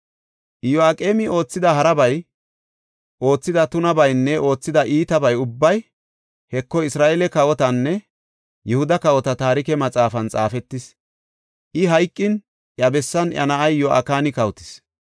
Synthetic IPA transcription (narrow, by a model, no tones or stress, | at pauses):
ʔjɔakʼeːmɪo̞ːt͡sːɪd̪ɐɦɐɾɐbɐj | ʔo̞ːt͡sːɪd̪ɐt̪ʊnɐbɐjnːɛʔo̞ːt͡sːɪd̪ɐʔiːt̪ɐbɐjʊbːɐj | hɛkːɔɪsɾaːʔɛlɛkɐwɔt̪ɐnːɛ | jɛhʊd̪ɐkɐwɔt̪ɐt̪aːɾɪkɛmɐt͡sʼaːfɐnt͡sʼaːfɛt̪ːɪs | ʔɪɦɐjkʼːɪn | ʔjɐbɛsːɐnʔɐ̰nɐʔɐjjɔʔa̰kaːnɪkɐwt̪ɪ̥s